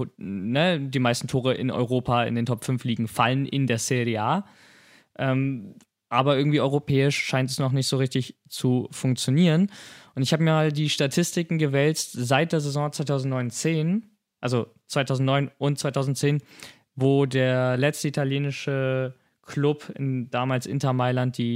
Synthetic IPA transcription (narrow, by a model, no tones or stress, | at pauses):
nədiːmaɪstn̩tʰoːʁ̞əʔɪ̰nɔ̰ʏʁoːpʰaɪ̰ndeːntʰɔpfʏnfliːɡŋ̩falənʔɪ̰ndeːɐsedeaː | ʔɛːm | ʔaːbɐʔɪɐɡŋ̩tv̥iːʔɔʏʁopʰɛːɪʃʃaɪntɛsnɔχnɪçtz̥oːʁɪçtɪç | t͡sufʊŋk̚t͡sjoniːʁənʔʊntɪçhaːbəmiːɐmaːldiːʃtatʰɪstɪkŋ̩ɡəvɛlt͡stzaɪt̚d̥eːɐzezɔ̃ːt͡sv̥aɪtʰaʊzn̩tnɔʏnt͡seːn | ʔalzo | t͡svaɪtʰaʊzn̩tnɔʏnʊnt̚t͡sv̥aɪtʰaʊzn̩tt͡seːn | voːdeːɐlɛt͡stəitʰaljeːnɪʃə | kʰlʊpʰɪ̰ndaːmaːlsʔɪ̰ntɐmaɪlant̚d̥iː